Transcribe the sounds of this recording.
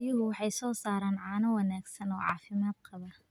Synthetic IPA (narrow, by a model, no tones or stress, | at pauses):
jʊɦʊwɑħɑjsɔːsaːɾaːnʕɑːnɐwɑnaːɡsɐnɔ̰ːʕɑ̰ːfɪmaːd̪̚qɑβɐ